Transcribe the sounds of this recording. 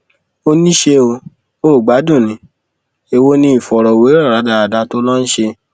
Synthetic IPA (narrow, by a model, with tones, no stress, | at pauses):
o˧nĩ˦ʃe˧o˧ | oː˦˨ɡ͡ba˨˦dũ˦˨nĩ˨˦ | e˧wo˦nĩ˧˦i˦˨fɔ˨ɾɔ˨we˨˦ɾɔ˦˨ɾa˨˦da˧a˨da˧to˦lɔ˦n̩˦ʃe˧